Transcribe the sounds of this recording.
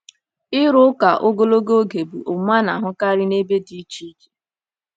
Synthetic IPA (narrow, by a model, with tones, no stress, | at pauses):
ɪ˦ɾʊ˦ka˨ʔo˦ɡo˦lo˦ɡo˦ɡe˨bu˨ʔʊ˨˦m˦a˦na̰˨ɦʊ˦ka˦ɾɪ˦ne˦be˦di˦t͡ʃi˦d͡ʒi̥˨